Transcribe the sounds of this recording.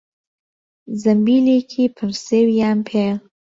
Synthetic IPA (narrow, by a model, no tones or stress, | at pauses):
zambilikʰipʰəɾsewjampʰel